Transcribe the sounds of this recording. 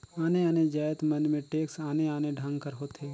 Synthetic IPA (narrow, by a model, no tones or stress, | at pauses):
aːneaːned͡ʒaːjət̪mɐnmẽʈeːksaːneaːneɖʱãŋɡkəɾɦoːt̪eː